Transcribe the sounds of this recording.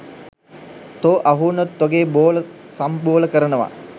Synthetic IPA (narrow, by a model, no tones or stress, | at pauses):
t̪oːʔaɦunot̪ːoɡeːboːləsamboːləkəɾənəʋa̰